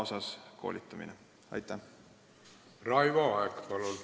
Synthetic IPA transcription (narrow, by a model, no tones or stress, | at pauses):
osɑskʰo̞̰ːlʲʔit̪ˑːɑmḭne | ɑ̰jt̪ːˑæ | rɑjvɑɑekpɑlol